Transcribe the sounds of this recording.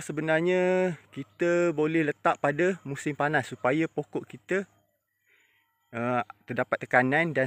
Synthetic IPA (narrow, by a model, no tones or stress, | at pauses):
səbənarɲə̃kit̪əbolɛhlət̪aʔpːadamũsɪmpanasːupajapokɔʔkit̪ə | ət̪ərdapat̪ːə̥kananda